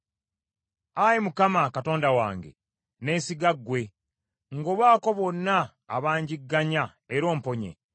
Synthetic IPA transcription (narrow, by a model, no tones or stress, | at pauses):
ajemukamakato̞ːndawa̰ːŋɡe̞̰ | ne̞ːsiɡaɡwe̞ | ŋɡoːβaːko̞βo̞nːa̰ː | βaːɲɟiɡːaɲa | eɾo̞ːmpo̞ɲe̞̰